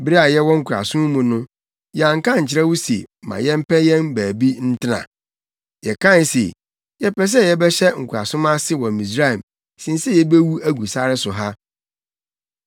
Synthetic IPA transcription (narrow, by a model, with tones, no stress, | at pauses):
bɪ˦ɾi˦a˨jɛ˦wɔ˦ŋ̩˦kʰu˨ɾa̰˨sʊ̃˦m˦mũ˨nʊ̃˦ | jɛ˨ã˨ŋ̩˨kã˦ɲ̩˨t͡ɕʰɪ˨ɾɛ˦wu˦se˨mã̰˨jɛ˦m̩˦pʰɛ˦jɛ̃˦nbæː˨bi˦n̩˦tʰɪ˦nã̰˨ | jɛ˨kʰã˦˨n˦sḛ˨ | jɛ˦pɛ˦s̬ɛ˦jɛ˦bɛ˦ɕɛ˦ŋ̩˨kʰu˨ɾa̰˨sʊ̃˦ma˦sɪ˦wɔ̃˨mĩ˨s̬ɾa˦˨m | sĩ˨n˦sɛ˦jɛ˦be˦wu˦æ˦ɡu˨sa˦ɾɪ˦sʊ˨ɦa˦